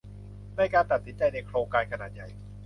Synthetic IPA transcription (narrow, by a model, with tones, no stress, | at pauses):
daː˧˩jkaː˧npɾa˨˩t̪̚si˩˦nt͡ɕa˧jna˧jkʰɾoː˧ŋkaː˧nkʰa˧naː˨˩ja˨˩j